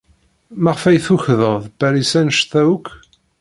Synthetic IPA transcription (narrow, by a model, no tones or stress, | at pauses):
mæʁfæjθuçðəðˤbæɾisænʃθæwkː